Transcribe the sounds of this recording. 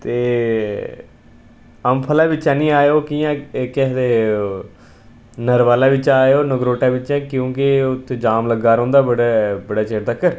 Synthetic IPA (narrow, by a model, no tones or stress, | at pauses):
t̪eː | əmpʰəlaːbɪt͡ʃãːnĩːaːjoːkiːjãːked̪eː | nəɾʋaːlaːʋɪt͡ʃaːeoːnəɡɾoːʈaːbɪt͡ʃãːkjõːkɪʊt̪ʰːed͡ʒaːmləɡaːɾõːnd̪aːbəɽebəɽaːt͡ʃeːɾd̪aːkəɾ